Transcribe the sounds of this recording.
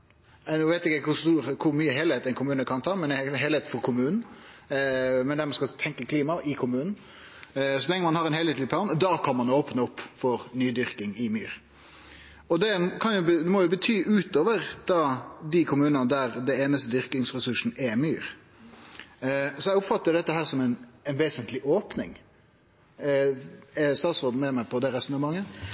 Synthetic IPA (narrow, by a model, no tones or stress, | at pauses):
ɛnuʋeɪt̪ɪkːəkʰʊst̪uːɾkʰʊɾmyːəɦɛːlheːt̪ɛɪnkʰʊmʉːnəkʰɑnt̪ʰɑːmɛnɦɛːlheːt̪n̩fɔɾkʰʊmʉːnn̩ | mɛnd̪æɾmɑnskɑt̪ʰɛŋkəkʰliːmɑʔɪkʰʊmʉːnn̩ | sɔlɛŋːəmɑnhɑɾɛnhɛlɛːt̪lɪpʰlɑːnd̪ɑkʰɑnmɑnoːpnəɔpːfɔɾnyːd̪ʏɾkɪŋɪmyːɾ | ɔd̪ɛkʰɑnjʊd̪ɛmɔjʊbət̪ʰyːʔʉːt̪oːʋəɾd̪̥ɑd̪ɪkʰʊmʉːnəɑnəd̪æɾd̪ɛeːnəst̪əd̪ʏɾkɪŋsɾɛsʉʂn̩ɛmyːɾ | sɔɛʊpfɑt̪ːəɾɖɛt̪ːəɦæːɾsɔmɛnɛnʋeːsənt̪lɪʔoːpnɪŋ | ɛst̪ɑːt̪sɾoːd̪̩mɛmæɪpʰɔd̪ɛɾɛstn̩əmɑŋːə